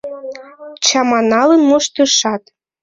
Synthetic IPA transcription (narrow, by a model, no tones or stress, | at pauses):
t͡ɕɑmɑnɑlənmoʃt̪ɤʃɑt̪